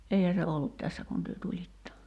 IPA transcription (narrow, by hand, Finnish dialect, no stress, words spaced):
ʔeihæ se olːut tæsːæ kun tyø tulitːɑ